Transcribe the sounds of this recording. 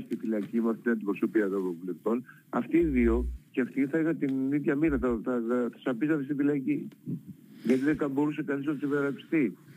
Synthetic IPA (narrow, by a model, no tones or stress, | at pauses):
st̪ifilɐcimɐft̪it̪inɐnd̪ipɾo̞so̞piɐt̪ovɾopuleft̪o̞n | ɐ̰ft̪iːðio̞cɐft̪iθɐeɣɐnt̪iniðʝɐmiɾɐθɐθɐθɐ̥sɐpizɐt̪est̪ifilɐci | ʝɐt̪iðekɐmbo̞ɾusekɐniz̬osiðeɾɐpi̥st̪i